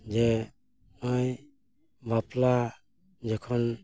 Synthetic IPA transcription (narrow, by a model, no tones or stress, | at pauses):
d͡ʒɛ | ɔj | bapla | d͡ʒɛkʰɔn